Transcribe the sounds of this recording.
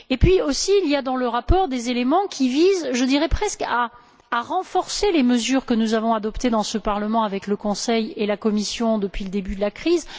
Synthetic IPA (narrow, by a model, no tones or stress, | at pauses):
epɥiosiːljad̪ɑ̃ləʁapɔʁd̪ezelemɑ̃kʲʰivizʒəd̪iʁɛpχɛskaː | ʁɑ̃fɔʁseleməzyʁkənuzavɔ̃ad̪ɔpt̪ed̪ɑ̃səpaʁləmɑ̃avɛkləkɔ̃sɛjelakɔmisjɔ̃d̪əpɥiləd̪ebyd̪əlakχiz